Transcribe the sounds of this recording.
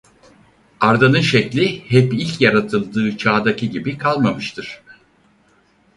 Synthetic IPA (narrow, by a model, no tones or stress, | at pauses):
aɾd̪anɯnʃɛclʲihɛpilʲcjaɾat̪ʰɯlˠd̪ɯːt͡ʃʰaːd̪acʰiɟibikʰalˠmamɯʃt̪ʰɯɾ̥